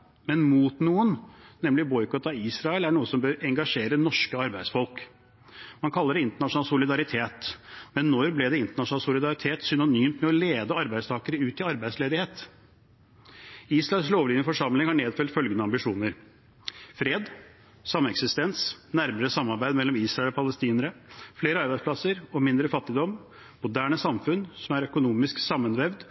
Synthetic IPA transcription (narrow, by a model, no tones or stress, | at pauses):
mɛnmuːt̪nuːənnɛmlɪbɔʏkɔt̪ɑiːsɾɑɛlæɳuːəsɔmbøːɾɛŋɡɑʂeːɾənɔʂkəɑɾbæɪd̪sfɔlˠk | mɑnkʰɑlːəɖɛɪnt̪əɳɑʂʊnɑːlsʊlɪd̪ɑɾɪt̪ʰeːt̪mɛnːɔɾblɛd̪ɛɪnt̪əɳɑʂnɑːlsʊlɪd̪ɑɾɪt̪ʰeːt̪sʏnʊnyːmt̪mɛɔleːd̪əɑɾbæɪst̪ʰɑːkəɾəʉːt̪ɪɑɾbæɪsleːd̪ɪheːt̪ | iːsɾɑɛlsloːʋliːnəfɔʂɑmlɪŋhɑɳeːd̪fœlt̪fœlɡənəɑmbɪʂuːnəɾ | fɾeːd̪ | sɑmːɛksɪst̪ɛnsnæɾməɾəsɑmːɑɾbæɪd̪mɛlːɔmiːsɾɑɛlɔpʰɑləst̪iːnəɾəfleːɾəɑɾbæɪspʰlɑsəɾɔmɪnd̪ɾəfɑt̪ːɪd̪ɔm | mʊd̪æːɳəsɑmfʉnsɔmæɾœkʊnuːmɪsksɑmːənʋɛʋd̪